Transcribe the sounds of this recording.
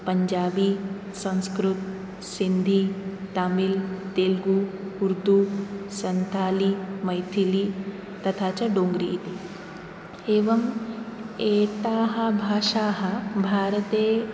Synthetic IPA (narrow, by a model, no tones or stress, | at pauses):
pɐɲd͡ʒaːbi | sɐ̃ñskɾut̪ | sind̪ʱit̪aːmilt̪eːlɡuuɾd̪usɐnt̪ʰaːlimɐjt̪ʰili | t̪ɐt̪ʰaːt͡ʃɐɖoːŋɡɾiʔːt̪i | eːʋɐm | eːt̪aːɦɐ̆bʱaːʂaːɦɐ̆bʱaːɾɐt̪eː